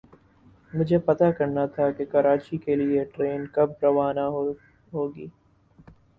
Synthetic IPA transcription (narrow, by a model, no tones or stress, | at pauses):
mʊd͡ʒʱepɐt̪akɐɾnat̪ʰakekɐɾaːt͡ʃikelieʈɾeːnkɐb̚ɾɐʋaːnaɦ | ɦoːɡiː